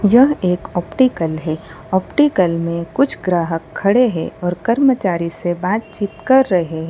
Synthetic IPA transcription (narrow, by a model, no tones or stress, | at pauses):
jɐɦeːkɔːpʈiːkəlɦɛː | ɔːpʈiːkəlmẽkʊt͡ʃʰɡɾaːɦəkʰːɐɽeɦɛ̰ʔɔːɾkɐɾmət͡ʃaːɾisebaːt̪̚t͡ʃiːt̪kɐɾːɐɦeɦɛː